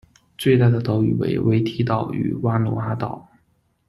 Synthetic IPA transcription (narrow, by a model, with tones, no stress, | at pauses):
t͡swe˥˧ɪt̪a˥˩d̪ə˩t̪o˧˥ʊy˨˩wḛ˧˥ɪwe˧˥ɪt̪ʰi˥t̪ɑ˥˩ʊy̰˨˧˩wa˥nɔ̰˧˥a˧˥t̪ɑ˨˩˦ʊ